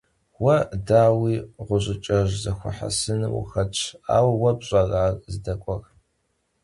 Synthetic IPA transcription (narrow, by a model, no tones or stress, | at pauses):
wɐdaːwiːʁʷʊʑʷʼɪt͡ʃʼɐʒzɐxʷʊ̰ħa̰sɨnɨw̰xɐt͡ʃʰa̰ːwwɐbɕʼɐraːrzɨdɐkʷʼɔr